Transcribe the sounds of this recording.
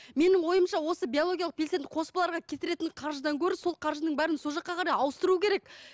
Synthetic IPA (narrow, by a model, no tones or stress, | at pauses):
me̞nɪŋwo̞jəmʃɑwo̞səbʲio̞lˠo̞ɡʲijalˠəq̚pʰʲe̞lsed̪ɪqʰo̞spəlˠɑɾʁɑkʲʰe̞t̪ɪɾe̞t̪ɪɴqʰɑɾʒəd̪ɑŋkʲʰɵɾɪso̞lˠqʰɑɾʒənəɴbæɾɪnsoʒɑqːɑqʰɑɾɑjɑwəst̪əɾuːəkʲʰe̞ɾek